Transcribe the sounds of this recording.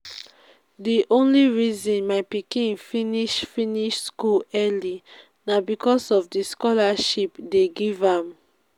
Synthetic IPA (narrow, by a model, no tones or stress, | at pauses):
diʔõnliɹizɔ̃nmaɪpikĩnfĩniʃfĩniʃskulɛli | nabikʰɔsɔfdiskɔlaʃipdeɡivãm